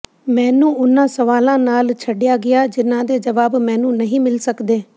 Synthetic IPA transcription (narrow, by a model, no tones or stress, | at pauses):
mɛ̃ːnũːʊnãːsəʋaːlãːnaːlt͡ʃʰəɖɪjaːɡɪaːd͡ʒɪnːãːd̪eːd͡ʒəʋaːbmɛ̃ːnũːnəɦĩːmɪlsəkd̪eː